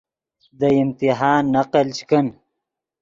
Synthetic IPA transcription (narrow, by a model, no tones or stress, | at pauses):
d̪əimt̪iɦaːnːaqəlt͡ʃkən